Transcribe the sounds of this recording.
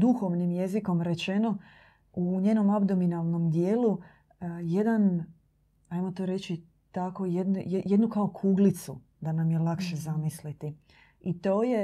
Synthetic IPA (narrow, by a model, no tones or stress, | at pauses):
d̪uxo̞ʋnimje̞ziko̞mɾe̞t͡ɕe̞no̞ | uɲe̞ːno̞mabd̪o̞minalˠno̞md̪jeːlu | je̞d̪an | ajmo̞t̪oːɾe̞t͡ʃi | t̪ako̞jed̪njejed̪nukao̞kʰuːɡlit̪sṵ | d̪anamjelˠakʃe̞zamislit̪i | it̪o̞ːje̞